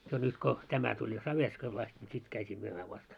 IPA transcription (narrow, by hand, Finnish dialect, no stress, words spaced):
jo nyt ko tæmæ tulʲ jo sɑʋerskoil ɑst nʲi sit kæytʲiː myømæː ʋɑst